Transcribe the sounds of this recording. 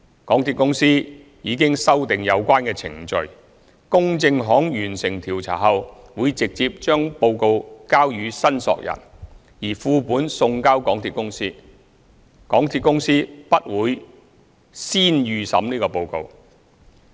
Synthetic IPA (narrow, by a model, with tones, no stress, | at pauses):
kɔː˨˥ŋt̪ʰiː˧t̚kʊ˥ŋsiː˥ | jiː˨˧kɪ˥ŋsɐ˥wt̪ɪ˨ŋjɐ˨˧wkʷaː˥nkɛː˧t͡sʰɪ̰˨˩ŋt͡ʃɵ˧ɥ | kʊ˥ŋt͡sɪ˧ŋɦɔː˨˥ŋjyː˨˩nsɪ˨˩ŋt̪ʰiː˨˩wt͡sʰa̰ː˨˩ɦɐ˨˧w | wuː˨˧jt͡sɪ˨k̚t͡siː˧p̚t͡ʃœː˥ŋpo˧wko˧wkaː˥wjyː˨˧sɐ˥nsɔ̰ː˧k̚jɐ̰˨˩n | jiː˨˩fuː˧puː˨˥nsʊ˧ŋkaː˥wkɔː˨˥ŋt̪ʰiː˨˧t̚kʊ˥ŋsiː˥ | kɔː˨˥ŋt̪ʰiː˧t̚kʊ˥ŋsiː˥pɐ˥t̚wuː˨˧j | siː˥njyː˨sɐ̰˨˥mniː˥kɔː˧po˧wko̰˧w